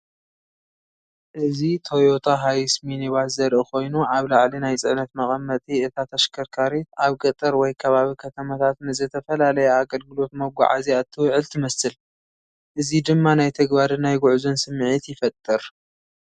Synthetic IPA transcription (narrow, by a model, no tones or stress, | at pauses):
ʔɨzit̪ʰojot̪ʰaɦajsminiβazɐɾʔɨko̞jnuʔaβlaʕlinajt͡sʼɨʕnɐt̪mɐχʼɐmːɐt̪ʼiɨt̪ʰat̪ʰɐʃkʰɐɾkʰaɾit̪aβkʼɐt̪ʼɨɾwɔjkʰɐβaβikʰɐt̪ʰɐmat̪ʰat̪nɨzɨt̪ʰɐfɐlalɐjaaɡɐlɡɨlo̞t̪mɐɡʷa̰ʕa̰ziat̪ʰːɨwʕɨlt̪ʰɨmɐsɨl | ʔɨzid̪ɨmːanajt̪ʰɐɡbaɾɨnajɡʊʕzonsɨmːʕit̪jɪfɐt̪ʼːɨɾ